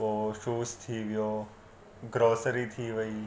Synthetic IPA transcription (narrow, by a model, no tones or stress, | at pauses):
oːʃuːst̪ʰiːʋjoː | ɡɾoːsəɾit̪ʰiːʋəi